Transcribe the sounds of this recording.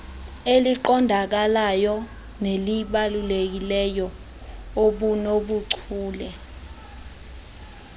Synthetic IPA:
eliǃɔndʱak̬alajɔ | neliɓalulek̬ilɛjɔ | oɓunoɓuǀʰuːlɛ

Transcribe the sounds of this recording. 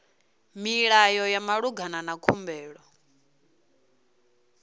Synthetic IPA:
miɺajɔjamaɺuɡʱananakʰumbɛːɺɔ

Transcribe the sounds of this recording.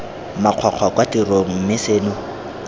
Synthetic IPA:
maq͡χʰaq͡χʰakwatiroŋ̩mɪseːnʊ

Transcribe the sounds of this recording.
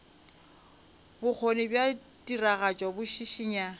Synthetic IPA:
bʊk͡xʰonɪbja | tʼiraɣat͡ʃʼwabʊʃiʃiːɲa

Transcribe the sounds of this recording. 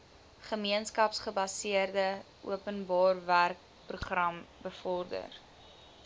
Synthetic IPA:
χəmiənskɐpsχəbɐsiərdə | ṵəpənbɑːrværk̚ | pruχrɐmbəfɔrdə̰r

